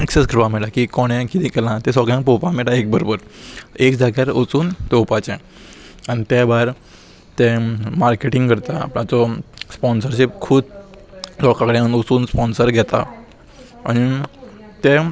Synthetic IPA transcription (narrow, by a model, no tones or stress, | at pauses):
eksesɡɾuʋamɛɽakikɔɽ̃ɛ̃kit̪ʰĩkɛlãt̪ɛ̃sɔɡjãŋk̚pɔpamɛɽaek̚bəɾobəɾekd͡zʱaɡjaɾot͡suːnt̪eupat͡ɕɛ̃ | anit̪jabaɾ | t̪ɛ̃maɾkeʈiŋɡkəɾt̪a̰ːplãt͡sɔspɔnsəɾɕip̚kʰuːd̪ | sɔkakəɽẽənot͡suːnspɔnsəɾɡʱɛt̪a̰ | añi | t̪e